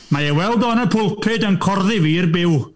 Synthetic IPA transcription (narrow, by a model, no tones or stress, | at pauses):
maewɛlˠdɔnəpʰʊlˠpʰɪdənkʰɔrðɪvirbɪw